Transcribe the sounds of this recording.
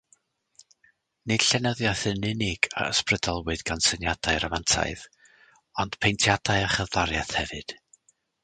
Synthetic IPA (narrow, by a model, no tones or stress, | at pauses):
nɨd̥ɬɛnəðjaθənɪnɪɡ̥a̰ə̰sprədalˠwɨd̥ɡansənjadaɨɾamantʰa̰ɨð | ɔnd̥pʰejntʰjadaɨaχəvðaɾjaθhɛvɨd̥